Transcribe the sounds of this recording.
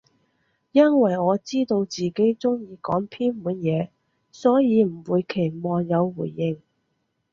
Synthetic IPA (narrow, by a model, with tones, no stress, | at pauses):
jɐ˥nwɐ˨˩jŋɔː˨˧t͡siː˥t̪o˧wt͡siː˨˩ke˨˥jt͡sʊ˥ŋjiː˨˧kɔ̰ː˨˥ŋpʰiː˥nmuː˨˥njɛː˨˧ | sɔː˨˥jiː˨˧m̩˨˩wuː˨˧jkʰe˨˩jmɔː˨˧njɐ˨˧wːṵː˨˩jːɪ˧ŋ